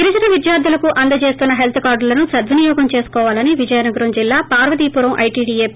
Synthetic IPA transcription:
ɡiɾit͡ʃɐnɐʋid̪jaːɾd̪ʱulɐkuʔɐnd̪ɐt͡ʃe̞ːst̪unːɐɦelt̪ʰɐkaːɾɖlɐnusɐd̪ʋunijɔːɡɐmt͡ʃe̞ːsu̥kɔːʋaːlɐniʋid͡ʒɐjɐnɐɡuɾɐmd͡ʒilːaːpaːɾʋɐd̪iːpuɾɐmʔɐ̰jʈiːɖiːe

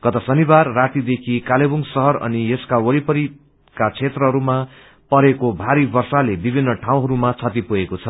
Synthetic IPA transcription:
kʌt̪ʌsʌnibarːat̪id̪ekʰikalebuŋsʌɦʌrʌ̰nijeskawʌɾipʌɾi | kat͡sʰet̪rʌɦʌɾuma | pʌɾekobʱaɾibʌrsalebibʱinːʌʈʰãw̃ɦʌɾumat͡sʰʌt̪ipuekot͡sʰʌ

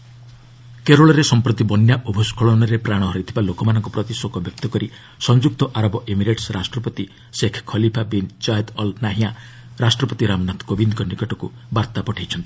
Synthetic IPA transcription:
keɾoɭɔɾesɔmpɾɔt̪ibɔnjaʔobʱɔskʰɔɭɔnɔɾepɾaɽ̃ɔɦɔɾit̪ʰibalokɔmanɔŋkɔpɾɔt̪iswokɔbjɔk̚t̪ɔkɔɾi | sɔnd͡ʒuk̚t̪ɔʔaɾɔbɔʔemiɾeʈsɾasʈɾɔpɔt̪i | sekʰkʰːɔlipʰabind͡ʒajd̪ɔlnaɦia | ɾasʈɾɔpɔt̪iɾamnat̪ʰkobind̪ɔkɔnikɔʈɔku | baɾt̪apɔʈʰajt͡ʃʰɔnt̪i̥

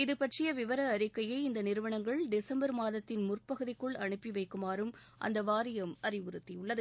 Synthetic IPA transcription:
ɪðɯpɐʈrɪjɐʋɪʋɐɾɐːɾɪkːɐjɐɪɪnd̪ɐnɪɾɯʋɐɳɐŋɡɐɭɖɪsɐmbɐɾmaːðɐt̪ːɪnmʊrpɐɣɯðɪkːɯɭɐɳɯpːiʋɐɪkːɯmaːɾɯm | ʔɐ̰nd̪ɐʋaːɾɪjɐmɐrɪʋʊɾɯt̪ːijʊɭːɐðɯ

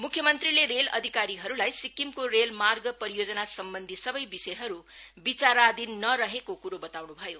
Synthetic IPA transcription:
mukʰːjʌmʌnt̪rileɾelʌ̰d̪ʱikaɾiɦʌɾulajsikimkoɾelmarɡʌpʌɾijod͡zʌnasʌmbʌnd̪ʱisʌbʌjbisʌjɦʌɾubit͡saɾad̪inːʌɾʌɦekokuɾobʌt̪awnubʱʌjo

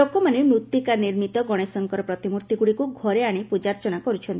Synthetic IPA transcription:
okɔmanemɾut̪jikaniɾmit̪ɔɡɔɽ̃esɔŋkɔɾɔpɾɔt̪imuɾt̪iɡuɽikuɡʱɔɾeaɽ̃epud͡ʒaɾt͡ʃɔɽ̃akɔɾut͡ʃʰɔnt̪

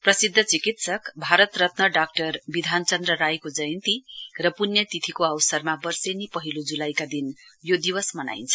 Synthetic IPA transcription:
prʌsid̪ʱːʌt͡sikit̪sʌkbʱaɾʌt̪rʌt̪nʌɖak̚ʈʌrbid̪ʱant͡sʌnd̪rʌɾajkod͡zʌjnt̪irʌpunjʌt̪it̪ʰikoawsʌrmabʌrsenipʌɦilod͡zulajkad̪injod̪iwʌsmʌna̰jnt͡sʰʌ̥

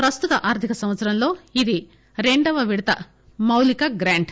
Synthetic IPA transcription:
pɾɐst̪ut̪ɐʔaːɾt̪ʰikɐsɐmʋɐt̪sɐɾɐmlo̞ːid̪i | ɾe̞ɳɖɐʋɐʋiɽɐt̪ɐ̰ | mɐwlikɐɡɾaːɳɖ

